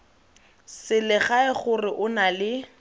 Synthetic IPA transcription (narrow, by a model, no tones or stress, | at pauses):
sɪlɪχaɪχʊrɪʔʊnalɪ